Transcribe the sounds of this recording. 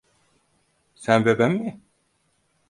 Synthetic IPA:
sænbebæmːi

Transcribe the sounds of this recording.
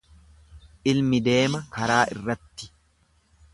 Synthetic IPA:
ʔɪlmɪd̪e̞ːmɐkɐɾaːʔɪ̰rːɐt̪ːɪ̥

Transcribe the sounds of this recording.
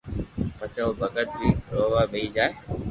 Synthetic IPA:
pəsẽoːbʱəɡət̪̚biːɾoːʋaːɓeiːd͡ʒaːe

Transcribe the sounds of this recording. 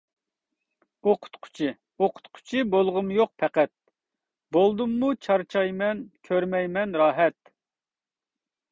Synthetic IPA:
oqʰʊ̥t̪qʰʊ̥t͡ʃʰɪ | oqʰʊ̥t̪qʰʊ̥t͡ʃʰibolˠʁʊmjoq̚pʰɛqɛt̪̚ | bolˠd̪umːut͡ʃʰɑɾt͡ʃʰɑjmɛnkʲʰøɾmɛjmɛnɾɑːɦɛt̪

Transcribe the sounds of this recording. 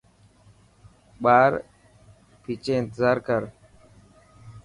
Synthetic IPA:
ɓaːɾ | pʰiːt͡ʃẽːɪnt̪ɪzaːɾkəɾ

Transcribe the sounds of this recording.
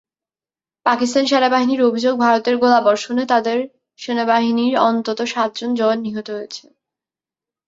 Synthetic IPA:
pakist̪anʃeɾabaɦiniɾobʱid͡ʑoɡ̚bʱaɾot̪eɾɡolabɔɾʃonet̪ad̪eɾ | ʃenabaɦiniɾɔnt̪ot̪oʃat̪̚d͡ʑond͡ʑɔnːiɦot̪oɦojet͡ɕʰe̥

